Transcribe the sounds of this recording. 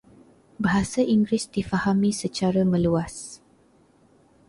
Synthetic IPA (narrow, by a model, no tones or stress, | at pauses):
baɦasaʔiŋɡɾɪsdifahamĩsət͡ʃaɾamə̃luas